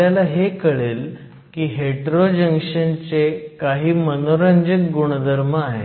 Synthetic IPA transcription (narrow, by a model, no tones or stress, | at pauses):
alaɦekəɭel | kiːɦeʈɾod͡ʑəŋkʂənt͡sekaɦiːmənoɾəɲd͡ʑəkɡuɽ̃əd̪ʱəɾməaɦḛ